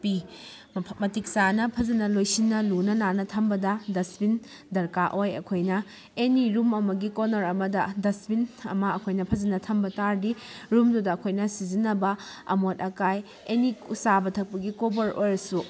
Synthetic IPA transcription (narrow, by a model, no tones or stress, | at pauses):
pi | mɐtik̚sanɐpʰɐzɐnɐlojsinːɐlunɐnanɐtʰɐmbɐdɐdɐsbin | dɐɾkaʔojɐ̰kʰojnɐ | eniɾumɐmɐɡikonɐɾɐmɐdɐdɐsbinɐ̰mɐːkʰojnɐpʰɐzɐnɐtʰɐmbɐtaɾdiɾumdudɐːkʰojnɐsizinːɐbɐɐ̰mot̚ɐkaj | eniusabɐtʰɐk̚pɐɡikobɐɾʔojɾɐsu